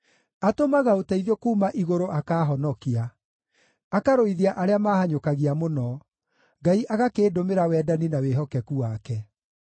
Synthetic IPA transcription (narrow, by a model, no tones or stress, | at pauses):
atomaɣaotaiðokuːmaʔiɣoɾoʔakaːɦɔnɔkia | akaɾoiðiaʔaɾeamaːɦhaɲokaɣiamonɔ | ŋɡaiʔaɣakeːdomeɾawɛdaninaweɦɔkɛkuwaːkɛ